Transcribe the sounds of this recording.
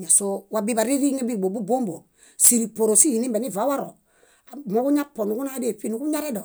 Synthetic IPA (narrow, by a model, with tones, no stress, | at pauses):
ɲa˨so˦wa˦bi˦ba˨ɾi˦ɾi˦ŋe˦bi˦˨ɡ͡bo˨bu˦bo˦mbo˨ | si˦˨ɾi˨po˨ɾo˨si˦hi˨ni˦be˨ni˦˨va˨˦wa˦ɾo˨ | mo˦ku˦ɲa˦po˨nu˨ku˦na˦de˦˨fi˦nu˨˦ku˦ɲa˦ɾɛ˦do˨